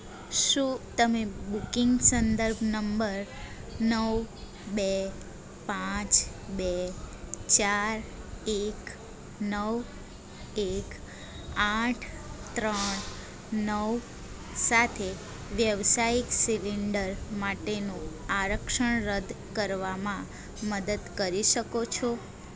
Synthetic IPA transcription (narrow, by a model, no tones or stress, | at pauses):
ʃũt̪əmebukiŋɡsənd̪əɾbʱnəmbəɾ | nəʋ | be | pãt͡ʃ | be | t͡ʃaɾek | nəʋ | ek | aʈʰ | t̪ɾəɳ | nəʋ | sat̪ʰe | ʋjəʋsaiksiliɳɖəɾmaʈenũaɾəkʃəɳɾəd̪ | kəɾʋamã | məd̪əd̪kəɾiʃəkot͡ʃʰo